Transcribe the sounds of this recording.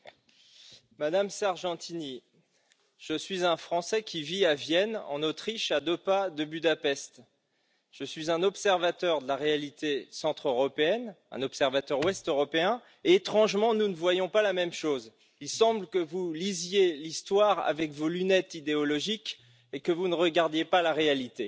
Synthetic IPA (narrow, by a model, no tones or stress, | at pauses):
mad̪amsaʁʒɑ̃t̪ini | ʒ̥əsɥizɛ̃fχɑ̃sɛkʲʰiviavjɛnɑ̰̃not̪χiʃad̪øpad̪əbyd̪apɛst̪ | ʒ̥əsɥizɛ̃nɔpsɛʁvat̪œʁd̪əlaʁealit̪esɑ̃t̪χøʁɔpeɛnɛ̰̃nɔpsɛʁvat̪œʁwɛst̪øʁɔpeɛ̃ | eːt̪χɑ̃ʒmɑ̃nunəvwajɔ̃palamɛmʃoz | ilsɑ̃bləkəvulizjelist̪waʁa̰vɛkvolynɛt̪id̪eɔlɔʒik | ekəvunəʁəɡaʁd̪jepalaʁealit̪e